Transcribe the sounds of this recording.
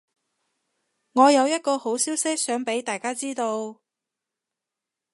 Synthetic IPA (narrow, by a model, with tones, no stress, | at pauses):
ŋɔː˨˧jɐ˨˧wjɐ˥t̚kɔː˧ho˨˥wsiː˥wsɪ˥k̚sœː˨˥ŋpe˨˥jt̪aː˨jkaː˥t͡siː˥t̪o˧w